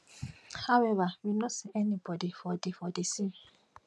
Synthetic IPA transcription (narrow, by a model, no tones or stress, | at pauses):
hawɛvawinɔ̃sɪʔɛnibɔdifɔdifɔdesi